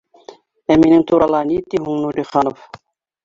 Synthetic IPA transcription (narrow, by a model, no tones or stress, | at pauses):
æminɪŋt̪ʰuɾɑlˠɑnit̪ːiɦuŋnud̪iχɑnof